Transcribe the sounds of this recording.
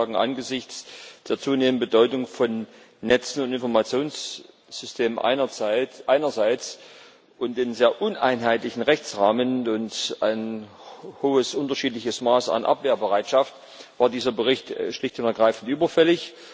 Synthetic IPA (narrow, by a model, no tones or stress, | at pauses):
aːɡŋ̩ʔa̰nɡəzɪçt͡sd̥eːɐt͡suːneːmənbədɔʏtʊŋfɔnː | ɛt͡sn̩ʊntɪnfɔɐmat͡sjoːns | z̥ʏstʰeːməmʔɐʔaɪnɐzaɪt͡s | ʔʊntd̥eːnzeːɐʔʊna̰ɪnɦaɪtlɪçn̩ʁɛçt͡sʁaːmənʊnta̰ɪn | hoːəsʔʊntɐʃiːtlɪçəsmaːsa̰nʔa̰pv̥eːɐbəʁaɪtʃaft | v̥aːɐdiːzɐbəʁɪçtʃlɪçtʊntɛɐɡʁaɪfn̩tʔyːbɐfɛlɪç